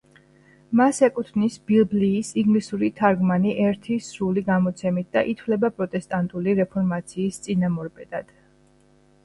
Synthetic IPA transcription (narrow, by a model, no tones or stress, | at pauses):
masɛkʼut̪ʰvnisb̥ilˠbliːsiŋɡlisuɾit̪ʰaɾɡmaniʔɛɾt̪ʰisɾuliɡamɔt̪sʰɛmit̪̚d̪̥aʔit̪ʰvlɛbapʼɾɔt̪ʼɛst̪ʼant̪ʼuliɾɛpʰɔɾmat̪sʰiːst̪sʼinamɔɾpʼɛd̪ad̪̥